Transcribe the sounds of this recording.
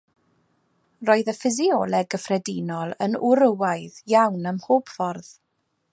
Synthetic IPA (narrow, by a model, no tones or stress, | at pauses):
roːɨðəfɪziɔːlˠɛɡəfrɛdinɔlˠə̰nʊɾəwajðjawnəmhoːb̥fɔrð̥